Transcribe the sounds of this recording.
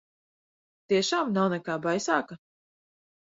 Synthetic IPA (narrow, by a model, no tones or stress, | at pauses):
t̪iɛʃaːmnawnɛkaːbajsaːka